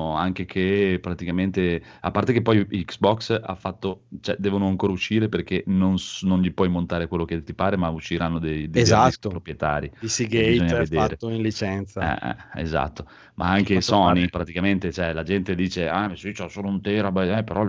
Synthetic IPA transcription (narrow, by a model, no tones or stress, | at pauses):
aŋk̟ekʰepɾat̪ikament̪ea̰pːart̪ek̟epːɔjiksbɔksa̰fːat̪ːot͡ʃɛd̪ɛːvonoaŋkoːɾauʃːiːɾeperkenonsnonʎipwɔjmont̪aːɾekwelːoket̪ːipaːɾemauʃːiɾanːod̪ejd̪ezat̪ːopɾopɾjet̪a̰ːɾid̪isiɡeboɲːaed̪eːɾet̪ːoinlit͡ʃɛnt̪saɛ̰ɛ̰ḛza̰t̪ːo | mʔa̰aŋk̟esɔnipɾat̪ikament̪et͡ʃoɛlad͡ʒɛnt̪ed̪iːt͡ʃeɛsit͡ʃɛsoːlount̪eːɾabɛɛpeɾɔ